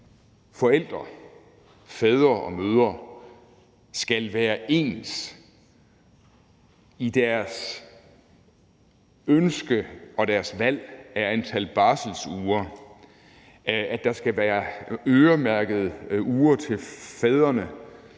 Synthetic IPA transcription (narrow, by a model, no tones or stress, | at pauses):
fɒ̽el̰d̥ʁɐ | fɛð̞ˠʁɐʔɒ̽møːð̞ˠɐ | sɡ̥ælʋæːɐʔe̝̰ːns | id̥æɐs | ønsɡ̥əɒ̽d̥æɐsʋæl̰æɐænt͡sʰælb̥ɑ̈ːsl̩suːɐ | æ̥ɑ̈sɡ̥æʋæːɐøːɐmæɐɡ̥ð̞̩ˠuːɐt͡sʰe̝fɛð̞ˠʁɐnə